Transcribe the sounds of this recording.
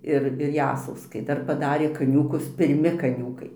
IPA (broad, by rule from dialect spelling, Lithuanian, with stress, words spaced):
ˈɪr ɪr ˈjæːsɐʊskɐɪ ˈdɐr pɐˈdɑːrʲeː kɐˈnʲuːkʊs pʲɪrʲˈmʲɪ kɐˈnʲuːkɐɪ